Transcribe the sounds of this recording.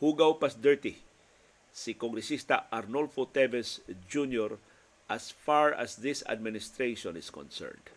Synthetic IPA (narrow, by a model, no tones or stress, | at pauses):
huɡawpasd̪ɛɹt̪i | sikoŋɡɾɛsist̪aʔaɾnolfot̪ɛvɛsd͡ʒunjɔɹ | ʔasfaɹa̰sðɪsa̰d̪̚mɪnɪst̪ɾeʃɔ̃nɪskɔ̰̃nsɛ̰ɹnd̥